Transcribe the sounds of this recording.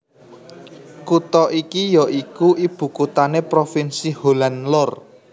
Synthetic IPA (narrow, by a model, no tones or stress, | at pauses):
kut̪ɔʔikijɔʔikuʔib̥ṳkut̪anepɾofinsiholanlɔr